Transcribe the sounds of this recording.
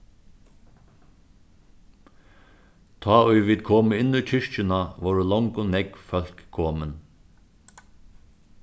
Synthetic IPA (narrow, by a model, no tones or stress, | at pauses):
t̪ʰɑːʊjʋiːd̪̚kʰoːməɪnːʏt͡ʃʰɪʂt͡ʃɪnaʋɔɹəlɔŋkʊnɛkfœl̥kʰːoːmən